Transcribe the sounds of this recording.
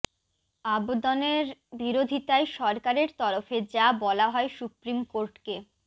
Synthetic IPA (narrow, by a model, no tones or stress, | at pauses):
abod̪ɔneɾbiɾod̪ʱit̪aeʃɔɾkaɾeɾt̪ɔɾofed͡ʑabɔlaɦɔesupɾimkoɾʈke